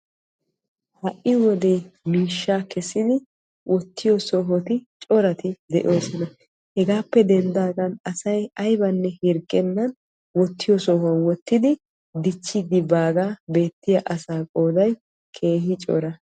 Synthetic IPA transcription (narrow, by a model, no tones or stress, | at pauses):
hɐʔɪwɔd̪e̞ːmiːʃːaːkɛsːɪd̪ɪ | wʔɔt̪ːɪjɔsɔɦɔt̪ɪt͡ʃʼɔɾɐt̪ɪd̪ɛ̰ʔo̞ːsɔnɐ | hɛɡaːpːɛd̪ɛnd̪aːɡɐnɐsɐjɐjbɐnːɛhɪɾkʼːɛnːɐn | wɔt̪ːɪjɔsɔhɐnwɔt̪ːɪd̪ɪ | d̪ɪt͡ʃːɪd̪ɪbaːɡaːbe̞ːt̪ːɪjɐʔɐsaːkʼoːd̪ɐj | kʰe̞ːhɪt͡ʃʼɔ̰ɾɐ